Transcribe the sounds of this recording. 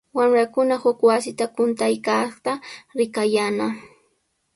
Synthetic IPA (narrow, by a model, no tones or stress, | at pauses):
wamɾakʊnahʊkwasɪt̪akʊnt̪ajkat̪aɾɪkajana